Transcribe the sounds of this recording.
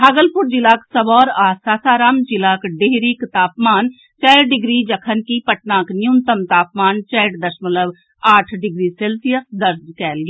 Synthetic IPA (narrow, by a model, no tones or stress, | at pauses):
bʱaːɡəlpʊɾd͡ʒɪlaːksəbɔːɾaːsaːsaːɾaːmd͡ʒɪlaːkɖeɦɾikt̪aːpmaːn | t͡ʃɛːɖɪɡɾid͡ʒəkʰənkipəʈnãːknɪjʊnt̪əmt̪aːpmaːnt͡ʃɛːʈd̪əɾʃmələb | aːʈʰɖɪɡɾiseːlsijəsd̪əɾd͡ʒkɛːlɡeː